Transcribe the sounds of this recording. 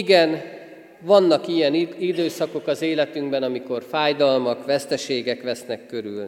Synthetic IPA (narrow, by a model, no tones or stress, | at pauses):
iɡɛn | vɒnːɒkijɛnid̪øːsɒko̞kɒzeːlɛt̪yŋɡbɛnɒmiko̞rfaːjd̪ɒlmɒkʋɛst̪ɛʃeːɡɛkʋɛsnɛkːø̞ɾy̰ln